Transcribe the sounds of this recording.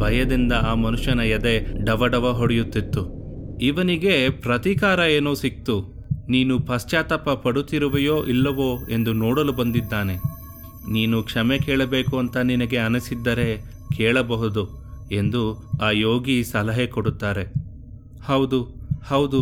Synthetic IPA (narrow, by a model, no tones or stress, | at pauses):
bʱɐjɐd̪ind̪ɐaːmɐnuʂjɐnɐjɐd̪e̞ɖɐʋɐɽɐʋɐɦoɽɛjut̪ːit̪ːuiʋɐniɡe̞pɾɐt̪ikaːɾɐeːnoːsik̚t̪u | niːnupɐst͡ʃaːt̪ɐpːɐpɐɽut̪iɾuʋɐjo̞ːʔilːɐʋoːe̞nd̪unoːɽɐlubɐnd̪id̪ːaːne̞ | niːnukʂɐmekeːɭɐbe̞ːkuɐnt̪ɐninɐɡe̞ɐnɐsid̪ːɐɾe̞ | kʰeːɭɐbɐɦud̪ue̞nd̪uaːjoːɡisɐlɐɦekoɽut̪ːaːɾe̞ | hɐwd̪uhɐwd̪u